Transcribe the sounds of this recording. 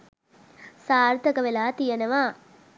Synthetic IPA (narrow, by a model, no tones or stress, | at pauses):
saːɾt̪ɐkɐʋelaːt̪ijɐnɐʋaː